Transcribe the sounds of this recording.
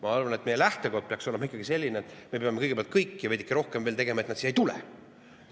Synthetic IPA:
mɑɑrvɑne̞t̪ːˑmejelæht̪e̞ko̞d̪̚pe̞ɑkso̞lemɑikːˑɑɡ̥ise̞lʲːineet̪ːˑme̞peɑmeɤjɡeeɑlt̪̚kɤjkːjɑed̪ʲikːˑiɾo̞hkemveːlt̪eɡemɑet̪nɑt̪siːejt̪ulɛ̰

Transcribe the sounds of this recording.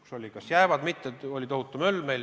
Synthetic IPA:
kso̞lʲikɑsjæevɑd̪̥mit̪ːˑeo̞lʲit̪oɦhut̪ːˑumølːmel

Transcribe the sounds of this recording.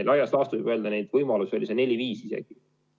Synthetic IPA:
elɑjɑslɑst̪uvijb̥øld̪ɑnejd̪vɤjmɑlusio̞lise̞ne̞lʲiviːsise̞̰ɡ̥i

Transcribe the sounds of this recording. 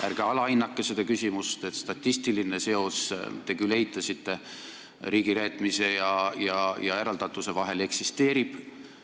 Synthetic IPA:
ærɡ̥eɑlɑinːɑkːesed̪̥ekysʲimust̪e̞t̪st̪ɑt̪ʲːist̪iline̞se̞o̞st̪e̞kyleit̪ːˑɑsit̪ːe̞ | ɾiːɡ̥iɾeːt̪ːˑmise̞jɑjɑjɑe̞ɾɑld̪ɑt̪ːˑuse̞vɑɦe̞le̞ksist̪e̞ːɾib̥

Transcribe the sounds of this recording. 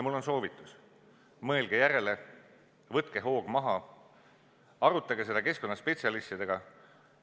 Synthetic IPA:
mulːo̞nso̞ːvit̪ːˑus | mɤe̞lɡ̥ejæɾe̞le | vɤt̪ke̞ɦo̞ːɡ̥mɑɦɑ | ɑɾut̪ːˑɑɡe̞se̞d̪ɑke̞sko̞nːɑspe̞t̪ʲsiɑlist̪id̪e̞ɡ̥ɑ

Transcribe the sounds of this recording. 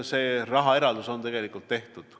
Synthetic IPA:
se̞ːrɑɦɑe̞ɾɑld̪̥uso̞nt̪e̞ɡ̥e̞likːˑult̪ːe̞ht̪ud̪̥

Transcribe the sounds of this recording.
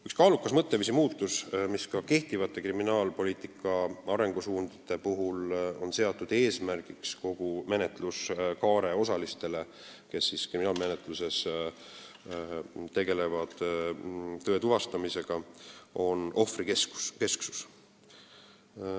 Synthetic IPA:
ykskɑːlukːˑɑsmɤt̪ːevisimuːt̪ːˑusmiskɑke̞ht̪ivɑt̪ːˑe̞kriminɑːlpo̞liːt̪ːˑikːˑɑɑɾe̞ŋɡ̥usuːnd̪it̪ːˑe̞puɦulo̞nse̞ɑt̪ːˑud̪̥e̞ːsmærɡ̥iksko̞ɡ̥ume̞net̪ˑluskɑːɾe̞o̞sɑlist̪e̞le̞ | ke̞sːiskriminɑːlme̞net̪ˑluse̞s | t̪ːe̞ɡe̞le̞vɑd̪̥ | t̪ːø̞ːt̪uvɑst̪ɑmise̞ɡ̥ɑo̞nʔo̞frikesku̥ske̞sksu̥s

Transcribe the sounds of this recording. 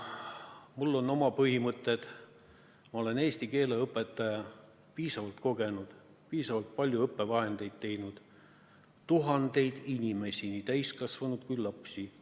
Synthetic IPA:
mulːo̞nːo̞mɑpɤɦimɤt̪ːˑe̞d̪̥ | mɑo̞le̞ne̞ːsʲt̪ike̞ːleɤpːˑe̞t̪ːˑɑjɑ | piːsɑvɑlt̪ko̞ɡe̞nud̪̥ | piːsɑvɑlt̪̚pɑlʲjuɤpˑːe̞vɑɦe̞nd̪̥e̞jd̪̥̚t̪e̞jnud̪̥ | t̪uɦɑnd̪e̞jd̪̥inʲime̞sʲinit̪æjskɑsvɑnud̪̥kujlɑpsi

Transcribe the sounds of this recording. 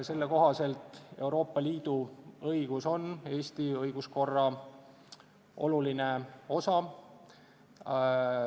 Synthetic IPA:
se̞lːeko̞ɦɑse̞lt̪ˑe̞wɾo̞ːpːɑliːd̪̥uɤiɡ̥uso̞ne̞ːst̪iɤjɡ̥usko̞rːɑ | o̞̰lulineo̞sɑ

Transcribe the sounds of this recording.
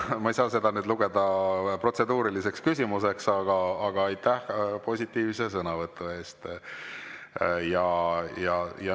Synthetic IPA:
mɑejsɑːse̞d̪̥ɑnyːd̪luɡ̥e̞d̪̥ɑpro̞t̪se̞d̪̥uːɾilise̞kskysʲimuse̞ksɑɡ̥ɑːɡ̥ɑɑjt̪ːæhpo̞sʲit̪ːˑiːvse̞sɤnɑvɤt̪ˑːue̞ːst̪ | jɑjɑjɑ

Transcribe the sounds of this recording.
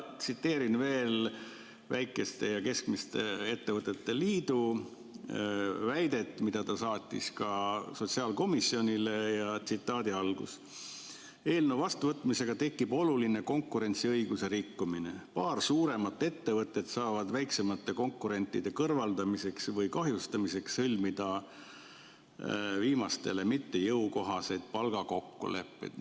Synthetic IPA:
t̪sit̪ːe̞ːɾinve̞ːl | væjkːˑe̞st̪e̞jɑke̞skmist̪e̞e̞t̪ːe̞vɤt̪ːˑe̞t̪ːe̞liːd̪u | væjd̪e̞t̪ːˑmid̪̥ɑt̪ɑsɑːt̪ʲːˑḭskɑso̞t̪siɑːlko̞misːio̞nʲilejɑt̪sit̪ːˑɑːd̪iɑlɡ̥ṵs | e̞ːlnevɑst̪uvɤt̪ːˑmise̞ɡ̥ɑt̪e̞kːibo̞luline̞ko̞ŋkːˑuɾe̞nʲt̪siɤjɡ̥use̞ɾikːumine̞pɑːrsuːɾe̞mɑt̪ˑːe̞t̪ːe̞vɤt̪ːˑe̞t̪sɑːvɑd̪væjksemɑt̪ːe̞ko̞ŋkːˑuɾe̞nt̪ːˑid̪̥e̞kɤrvɑld̪ɑmise̞ksvɤjkɑɦjust̪ɑmise̞kshɤlʲmid̪ɑ | viːmɑst̪e̞̰le̞mit̪ːe̞jɤwko̞ɦɑse̞jd̪̥̚pɑlɡ̥ɑko̞kːṵle̞̰pːe̞̰jd̪̥

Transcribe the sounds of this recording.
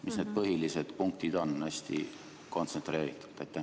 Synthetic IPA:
misne̞ːd̪̥̚pɤɦilise̞d̪̥puŋk̚t̪id̪̥o̞næsʲt̪ḭ | ko̞nt̪sent̪ɾe̞ːɾit̪ːˑu̥t̪et̪ːæ

